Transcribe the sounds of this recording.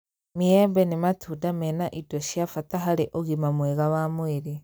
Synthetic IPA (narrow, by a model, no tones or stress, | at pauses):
mijembenimatudamenaʔidoʃjafataɦaleʔoɣimamweɣawamweɾi